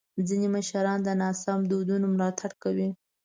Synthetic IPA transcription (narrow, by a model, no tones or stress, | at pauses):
d͡zineməʃaɾɑnd̪ənɑsɑmd̪od̪unomlɑt̪ʰaɽkawi